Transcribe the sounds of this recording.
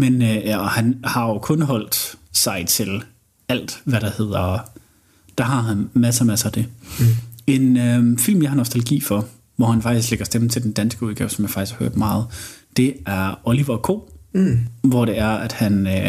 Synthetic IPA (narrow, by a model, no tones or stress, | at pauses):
menøjæhænhɑ̈jo̝kʰɔ̽nɦɒ̽l̰d̥sɑ̈ɪt͡sʰe̝l | æl̰d̥ʋæɾɑ̈he̝ð̞̰ˠɐ | d̥ɑ̈ɦɑ̈ɦænmæsɐmæsd̥e̝ | e̝nøfil̰mjɑhɑnɒsd̥ʰæləɡ̥ḭːfɒ̽ | ʋɒhænfɑ̈ɡ̥d̥is̬ɡ̥leɡ̥ɐsd̥em̩t͡sʰe̝ld̥en̩d̥ænsɡ̥əuðˠɡɛːʊsɒ̽mjɑfɑ̥iskhɑhøɐ̰d̥mɑ̈ːð̞̩ˠd̥e̝æɐɔliʋɐkʰo̝̰ː | ʋɒɾ̥e̝æɐæd̥hænø